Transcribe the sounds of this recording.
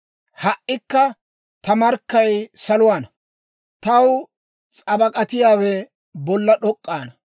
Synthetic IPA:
hɐʔːɪkːɐ | t̪ɐmɐɾkːɐjsɐlʊwaːnɐ | t̪ɐw | t͡sʼɐbɐkʼɐt̪ɪjaːwɛ | bɔlːɐɗɔkʼːaːnɐ

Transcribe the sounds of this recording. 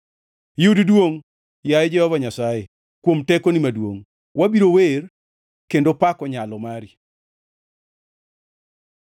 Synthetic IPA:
juddwoŋ | jajɛd͡ʒɛhɔvaɲasaje | kwomtɛkonimadwo̰ŋ | wabiɾower | kendopakɔɲalɔmaɾi

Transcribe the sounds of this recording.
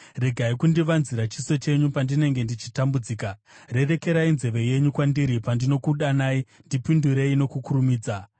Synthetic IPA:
re̞ɡʱaikundiʋanziɾat͡ʃiso̞t͡ʃe̞ɲupandine̞ŋɡe̞ndit͡ʃitambud͡ziːka | re̞re̞ke̞ɾainze̞ʋe̞je̞ɲukwandiɾipandino̞kuɗanaːindipinduɾe̞ino̞kukuɾumiːd͡za

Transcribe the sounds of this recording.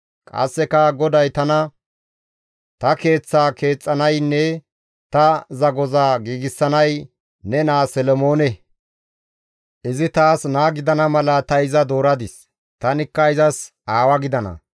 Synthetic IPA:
kʼɐ̰sːɛkɐɡɔd̪ɐjt̪ɐnɐ | t̪ɐke̞ːt͡sːaːke̞ːt͡sʼːɐnɐjnːɛ | t̪ɐzɐɡɔzaːɡiːɡɪsːɐnɐj | nɛnaːsɛlɔmo̞ːnɛ | ʔɪzɪt̪aːsnaːɡɪd̪ɐnɐmɐlɐt̪ɐɪzɐd̪o̞ːɾɐd̪ɪs | t̪ɐnɪkːɐɪzɐs | ʔaːwɐɡɪd̪ɐnɐ̰

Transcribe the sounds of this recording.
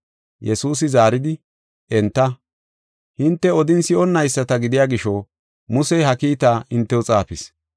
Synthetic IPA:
jɛsuːs̬ɪzaːɾɪd̪ɪ | ɛnt̪ːɐ | hɪnt̪ːɛɔd̪ɪnsɪɔnːɐjsːɐt̪ɐɡɪd̪ɪjaːɡɪʃɔ | mʊsɛjɦɐkiːt̪aːʔɪnt̪ːɛɔt͡sʼaːpɪs

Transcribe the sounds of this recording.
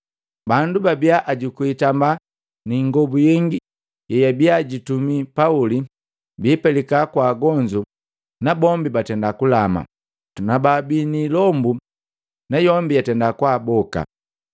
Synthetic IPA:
bandubabiaʔaɟukuitamba | niŋɡɔbujɛŋɡi | jɛjabiaɟitumipauli | biːpɛlikakwaːɡɔɲd͡ʒu | nabɔmbibatɛndakulama̰ | nababinilɔmbu | najɔmbijatɛndakwaːbɔka̰

